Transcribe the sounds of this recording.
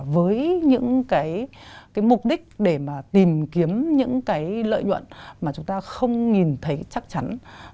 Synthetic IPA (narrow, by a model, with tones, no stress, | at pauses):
vəː˨˦jɲɨ̰˧˥ŋkaː˨˦jkaː˨˦jmʊ˨˩k͡p̚ɗï˦˥k̟̚ɗe˧˩maː˨˩t̪i˨˩mki˨˦əmɲɨ̰˧˥ŋkaː˨˦jlə̰ː˧˨jɲwə̰˧˨nmaː˨˩t͡ɕʊ˨˦ŋ͡mt̪aː˧xə˧wŋ͡mŋi˨˩nt̪ʰə˨˦jt͡ɕa˦˥k̚t͡ɕa˨˦n